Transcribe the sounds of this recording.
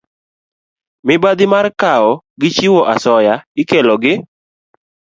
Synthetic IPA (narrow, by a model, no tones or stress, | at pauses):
mɪbad̪ɪmarkaɔ | ɡɪt͡ʃiwɔʔasɔjaɪkɛlɔɡɪ